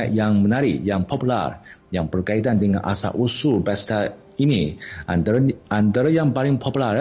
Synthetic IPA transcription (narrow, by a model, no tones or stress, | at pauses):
ajaŋmənaɾijaŋpʰɔpula̰rjaŋbərkait̪andəŋa̰nʔa̰sa̰ʔusulbɛst̪a | ini | and̪əɾəjaŋbalɪŋpʰɔpular